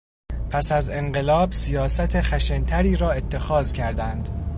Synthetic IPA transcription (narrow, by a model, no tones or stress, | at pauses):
pʰæsæze̞ɴɢe̞lɒːbsijɒːsæt̪ʰexæʃent̪ʰæɾiːɾɒːe̞t̪ʰːe̞xɒːzcʰæɾd̪ænd̪